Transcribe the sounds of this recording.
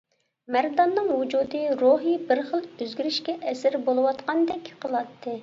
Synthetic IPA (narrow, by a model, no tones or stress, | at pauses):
mæɾd̪ɑnːɨŋwud͡ʒud̪ɨɾuɦibɪɾχəlˠøzɡʲiɾɪʃkʲɛʔɛsɪɾbolˠɨwɑt̪qɑnd̪ɛkʲʰqʰəlˠɑt̪ʰːɨ